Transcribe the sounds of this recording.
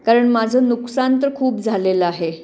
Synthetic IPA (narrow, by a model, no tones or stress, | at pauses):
kaɾəɳmad͡zʱənuksant̪əɾkʰuːp̚d͡zʱaleləaɦe